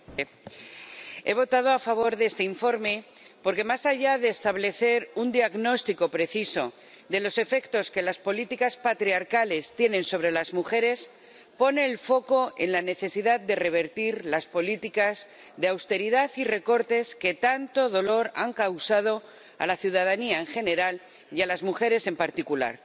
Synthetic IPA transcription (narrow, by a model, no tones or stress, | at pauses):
e̞β̞o̞t̪að̞o̞afaβ̞o̞ɾðest̪eiɱfo̞ɾme̞po̞ɾke̞masaʝaðe̞ːst̪aβle̞θe̞ɾund̪iaɣno̞st̪iko̞pɾe̞θiso̞ | d̪e̞lo̞se̞fe̞kt̪o̞ske̞laspo̞lit̪ikaspat̪ɾiaɾkale̞st̪je̞nẽ̞nso̞β̞ɾe̞lazmuxe̞ɾe̞s | po̞ne̞ːlfo̞ko̞ʔe̞nlane̞θe̞siðaðd̪e̞re̞β̞e̞ɾt̪iɾlaspo̞lit̪ikaz | ðeawst̪e̞ɾiðaθire̞ko̞ɾt̪e̞ske̞t̪ant̪o̞ðo̞lo̞ɾaŋkawsað̞o̞ | a̰laθjuð̞að̞aniae̞ŋxe̞ne̞ɾal | jalazmuxe̞ɾe̞se̞mpaɾt̪ikula̰ɾ